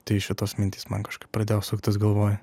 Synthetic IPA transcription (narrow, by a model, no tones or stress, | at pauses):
t̪ɐɪɪʃʲɪt̪oːsmʲɪnʲt̪ʲiːsmɐnkɐʃkɐɪppɾɐd̪ʲeːjoːsʊːkt̪ʲɪsɡɐlˠʋoːjɛ